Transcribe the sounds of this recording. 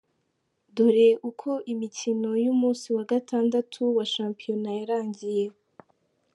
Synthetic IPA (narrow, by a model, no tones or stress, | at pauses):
doɾeʔukʰo̞ʔimicino̞jumuːsiwaɡatʰaːndatʰuwaʃaːmpijo̞najaɾaːɲɟije